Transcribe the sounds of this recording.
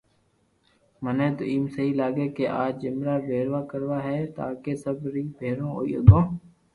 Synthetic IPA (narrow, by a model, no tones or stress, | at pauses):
mənẽːt̪o̰ːiːmsəɦiːlaːɡeːkeːʔaːd͡ʒɪmɾaːʋeːɾʋaːkəɾʋaːɦɛːt̪a̰ːkeːsəbɾiːbʱeːɾõːo̰ːḭːəɡõː